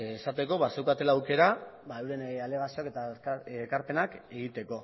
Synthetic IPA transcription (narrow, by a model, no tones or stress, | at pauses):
esat̪e̞ko̞βasewkat̪e̞laːwke̞ɾabaewɾenale̞ɣasioake̞t̪aekaɾpe̞nake̞ɣit̪e̞ko̞